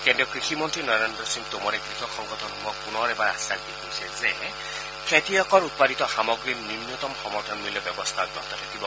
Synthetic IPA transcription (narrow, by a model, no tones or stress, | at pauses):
kendɔkɹixʰimɔntɹinɔɾendɾɔsiŋt̪umɔɾeɡɾixʰɔkʰːɔŋɡɔt̪ʰɔnumɔpunɔɾebaɹasak̚d̪ikojsɛze | kʰet̪ijɔkɔɾut̪̚padit̪ɔxamɔɡɹinimjut̪ɔmxɔmɔɾt̪ʰɔnmiljɔbjɔbɔst̪ʰat̚ɡɔkt̪ʰɔtʰakibɔ